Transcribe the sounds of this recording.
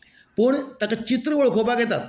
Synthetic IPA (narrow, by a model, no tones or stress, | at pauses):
pəɳt̪akat͡ɕit̪ɾəʋəɭkʰopaɡjɛt̪at̪